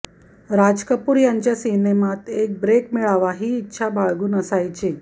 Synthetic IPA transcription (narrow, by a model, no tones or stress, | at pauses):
ɾad͡ʑkəpuːɾjaɲt͡ɕjasinemat̪ek̚bɾekmiɭaʋaɦiːtːɕʰabaɭɡuːnəsajt͡ɕi